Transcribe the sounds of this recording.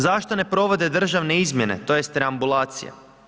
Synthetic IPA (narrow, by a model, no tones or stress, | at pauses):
zaʃt̪o̞ne̞pɾo̞ʋo̞d̪e̞d̪r̩ʒaʋne̞izmʲje̞ne̞̰t̪o̞je̞st̪ɾeambulˠaːt̪sḭja̰